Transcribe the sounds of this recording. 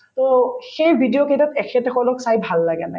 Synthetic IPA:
tɔxejbʱidijokejtatɛkʰɛtɛkʰɔlɔksajbʱalːaɡɛnaj

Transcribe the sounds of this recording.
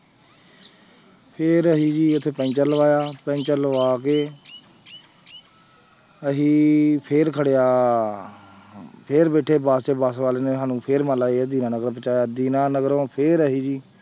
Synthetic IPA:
pʰeɾəɦiːd͡ʒiːət̪ʰːeːpɛ̃ːnt͡ʃəɾləʋaːjaːpɛ̃ːnt͡ʃəɾləʋaːkeː | əɦiːpʰeːɾkʰəɽejaː | pʰeɾbeːʈʰːeːbaːst͡ʃeːbaːsʋaːleːneːãːnũːpʰeɾmaːlaːeːd̪iːnãːnəɡəɾpət͡ʃaːjaːd̪iːnaːnəɡɾõːpʰeɾəɦiːd͡ʒiː

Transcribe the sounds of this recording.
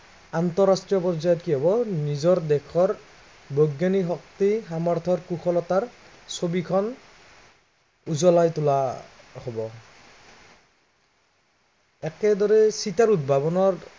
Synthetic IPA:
ant̪ɔɹastɹijɔpɔɹzajɔt̚kiɦɔbɔnizɔɹd̪ɛkʰɔɹ | boɡaniɦɔk̚t̪ixamaɹt̪ʰɔɹkuxʰɔlɔt̪aɹ | sobikʰɔn | uzɔlajt̪ulahobɔ | ɛkɛdɔɹɛsitaɹud̚bʱabɔnɔɹ

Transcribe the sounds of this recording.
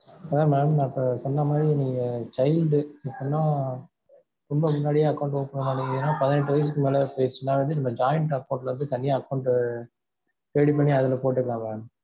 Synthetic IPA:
maːmːaːmnãːpːɐsɔnːɐmaːd̪ɾinɪŋɡɐt͡ʃɐɪlɖɪpːɐnːãː | ɾɔmbɐmʊnːaːɽɪjeːɐkːɐʊɳʈoːpːɐɳɐmaːʈːɪŋɡɐnːaːpɐðɪnɛʈ̬ːɯʋɐjɪs̬ɯkːɯmeːlɐpoːjɪɾt͡ʃːɯnːaːʋɐnd̪ɯnɐmːɐd͡ʒaːjɐɳʈɐkːɐʊɳʈlɐɾɯnd̪ɯt̪ɐnɪjaːkːɐʊɳʈ | t̪eːɽip̬ɐɳːiɐðɐlɐpoːʈ̬ːɯkːɐlãːmaːm

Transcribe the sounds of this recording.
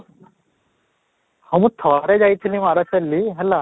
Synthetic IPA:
hɔmut̪ʰɔɾɛd͡ʒajt̪ʰilimaɾat͡ʃɐlːiɦɛla

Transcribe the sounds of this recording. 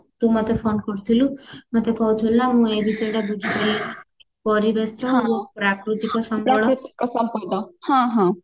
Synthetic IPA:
t̪ũmot̪epʰonkɔɽut̪ʰilumot̪ʰekɔɦut̪ʰulunamũebisɔʈabud͡ʒibei | pɔɾibesɔũpɾakɾut̪ikɔsɔmpɾaɔɽ̃ɔɾut̪i̥kɔsɔmpɔd̪ɔhãɦɔ̃

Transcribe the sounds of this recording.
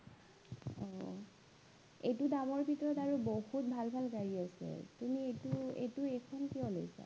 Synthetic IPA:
ɔ | ejtudamɔɹbʱitɔɹɔtaɹubohut̚bʱalbʱalkaɹiasɛ̰tumietuḛtuekʰɔnkiɔlojsa̰

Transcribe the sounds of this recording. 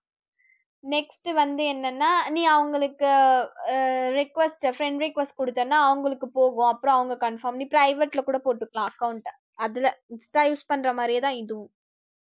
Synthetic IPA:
nɛksʈɯʋɐnd̪ɯɛnːɐnːaːniːɐʋɐŋɡɐɭɯkːɯ | ɾɪkʋɛsʈfɾɛɳɖɾɛkʋɐsʈ̚kɔɽɯt̪ːɐnːaːɐʋɐŋɡɐɭɯkːɯpoːɣʊ̃ɐpːɯɾõːɐʋɐŋɡɐkɐɳfaːɾmniːpɾɐɪʋeʈlɐkuːɽɐpoːʈːɯkːɐɭãːɐkːɐʊɳʈ | ɐðɪlɐɪnsʈaːjuːspɐɳːɾɐmaːdɾɪjɐt̪ãːɪðɯʋʊ̃

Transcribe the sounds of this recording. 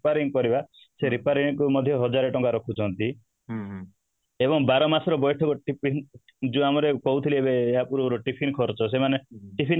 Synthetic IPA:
paɾiŋkɔɾiba | seɾipaɾiŋkumɔd̪ʱjɔɦɔd͡ʒaɾeʈɔŋɡaɾɔkʰut͡ʃʰɔnt̪i | ebɔŋbaɾɔmasɔɾɔbɔjʈʰɔkɔʈipʰi | d͡ʒuamɔɾekɔɦut̪ʰiliebeeapuɾɔɾɔʈipʰinkʰɔɾt͡ʃʰɔs̬emaneʈipʰin

